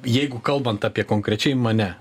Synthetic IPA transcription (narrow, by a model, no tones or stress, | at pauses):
jɛɪɡʊkɐlˠbɐnt̪ɑːpʲiɛkoːŋkɾʲɛt͡ʃʲɛɪmɐnʲɛ